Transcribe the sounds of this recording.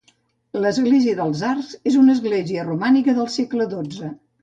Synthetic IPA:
ləzɣleziəðəlˠzarzezunəzɣleziərumanikəðəlˠsekləd̪od͡zə

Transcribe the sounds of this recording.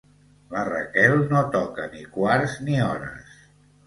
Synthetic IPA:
ləra̰kɛlˠnot̪ɔkənikwaɾzniɔɾə̰s

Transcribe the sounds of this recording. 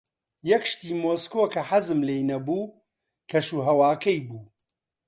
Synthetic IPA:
jɐkʃt̪iːmoːskokɐħɐzɨmlejnɐbuː | kʰɐʃuːɦɐwaːkʰɐjbuː

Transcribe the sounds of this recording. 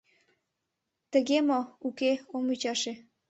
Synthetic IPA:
t̪əɣemoukeomyt͡ɕɑʃe

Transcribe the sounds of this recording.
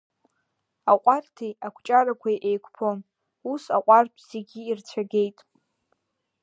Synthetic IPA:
aqʷʼartʰijakʷʰt͡ʃʼaɾakʷʰajʔejkʷʰpʰon | usa̰qʷʼartʷʼʰz̥eɡʲiːrt͡sʷʰaɡʲe̞jtʼ

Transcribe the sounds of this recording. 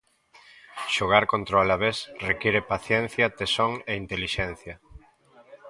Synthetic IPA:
ʃoɣ̞aɾkõnt̪ɾoalaβesrekiɾepaθjɛn̟θjɐt̪esoŋeint̪eliʃɛn̟θjɐ

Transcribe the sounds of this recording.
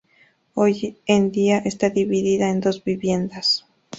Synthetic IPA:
ojend̪iaʔest̪aðiβiðiðaend̪o̞zbiβje̞nd̪as

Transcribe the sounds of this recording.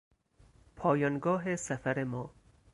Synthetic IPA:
pʰɒːjɒːnɡɒːɦesæfæɾemɒː

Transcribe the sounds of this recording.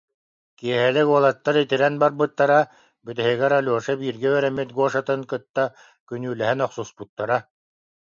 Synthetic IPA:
kiɛɦɛlɛɡuɔlˠat̪ːaɾit̪iɾɛnbaɾbɯt̪ːaɾa | byt̪ɛɦiɡɛɾalʲuɔʃabiːɾɡɛyœɾɛmit̪̚ɡuɔʃat̪ɯnkɯt̪ːa | kynyːlɛɦɛnɔχsusput̪ːaɾa

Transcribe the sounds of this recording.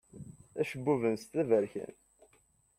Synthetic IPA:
æʃəbːuvənst̪ævəɾçæ̰n

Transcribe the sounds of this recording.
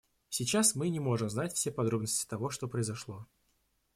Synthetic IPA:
sʲɪt͡ɕasmɨnʲɪmo̞ʐɨmznatʲfsʲepɐd̪ɾo̞bnəsʲtʲɪ̥t̪ɐvo̞ʂt̪o̞pɾəɪzɐʂlˠo̞

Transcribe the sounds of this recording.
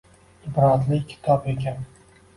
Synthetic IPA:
ɪbɾazlɪkʲʰɪ̥t̪ʰɒpe̞kʲʰan

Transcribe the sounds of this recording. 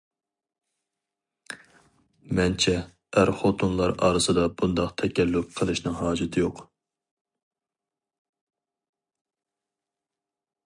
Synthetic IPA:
mɛnt͡ʃʰɛ | æɾχot̪ʰunlˠɑɾɑ̰ːɾɨsɨd̪ɑbund̪ɑqt̪ʰɛkʲʰɛlːup̚qʰəlˠɨʃnɪŋɦɑːd͡ʒɨt̪ʰɪjoq

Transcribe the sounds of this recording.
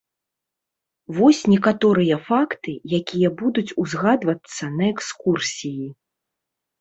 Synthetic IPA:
vɔsʲnʲɛkat̪ɔɾɨjɐfakt̪ɨjakʲijɐbud̪ut͡sʲuzɣad̪vɐt̪sːɐnɐɛkskursʲiji

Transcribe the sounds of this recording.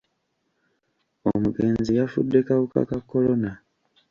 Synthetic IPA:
o̰muɡe̞ːnzijafṵdːe̞kaβuka̰kakːo̞lo̞na

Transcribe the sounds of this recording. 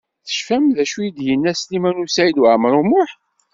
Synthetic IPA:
θə̥ʃfæmðæʃujid̪jənːæslimænusæjid̪waʕmɾˤʊmʊħ

